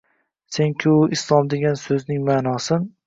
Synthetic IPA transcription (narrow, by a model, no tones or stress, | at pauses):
seŋkʲʰɪʊʔɪslˠɒmd̪e̞ɡʲansɵznɪŋmanɒsɪn